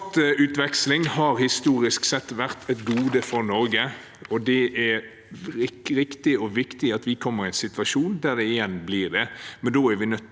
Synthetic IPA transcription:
t̪ʉːt̪ʋɛkslɪŋhɑɾhɪst̪uːɾɪsksɛt̪ːʋæʁt̪ʰɛt̪ɡuːd̪əfɔɾnɔɾɡə | ɔd̪ɛʔɛɾ | ɪɾɪkt̪ɪɔʋɪkt̪ɪɑt̪ʋɪkʰɔmːəɾɪɛnsɪt̪ʋɑʂuːnd̪æɾd̪ɛɪjɛnːblɪɾd̪ɛmɛnd̪oːæɾʋɪnœt̪

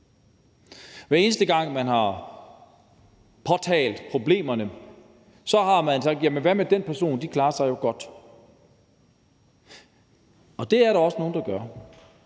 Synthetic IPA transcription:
ʋæɐe̝ːnəsd̥əɡ̥ɑ̈ŋ̰mænɦɑ̈ | pʰɒ̽t͡sʰɛ̰ːld̥pʰʁo̝b̥le̝̰ːmɐnə | sɒ̽ɦɑ̈mænsɑ̈ɡ̥̚d̥jæmənʋæmed̥enpʰæɐso̝̰ːnd̥ikʰlɑ̈ːɐsɑ̈ɪjo̝ɡ̥ɒ̽d̥ | ɒ̽d̥e̝æɐɾɑ̈ɒ̽səno̝ːn̩d̥ɑ̈ɡ̥ɶɐ

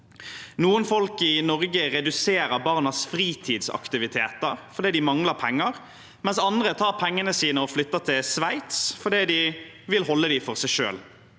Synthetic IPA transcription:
nuːənfɔlkɪnɔʁɡəɾɛd̪ʉseːɾəbɑʁnɑsfɾiːt̪ʰiːd̪sɑ̰kt̪ɪʋɪt̪ʰeːt̪əɾfɔɾd̪iːd̪ɪmɑŋləpʰɛŋːəʁ | mɛnsɑnd̪ʁət̪ʰɑːʁpʰɛŋːənəsiːnəɔflʏt̪ːət̪ʰɪlsʋæɪt̪sfɔd̪iːd̪ɪ | ʋɪlhɔlːəd̪ɪfɔʁsæɪʂø̰ːl

